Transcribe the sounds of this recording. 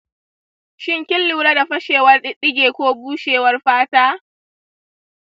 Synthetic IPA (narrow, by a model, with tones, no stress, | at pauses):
ʃɪ˦ŋkʲɪ˦lːuː˨ɽa˦da˨ɸɐ˦ʃeː˨wɐ˦rɗɪ˦ɗɪ˦ɡʲeː˨kʷoː˦buː˦ʃeː˨wɐ˦rɸaː˦taː˦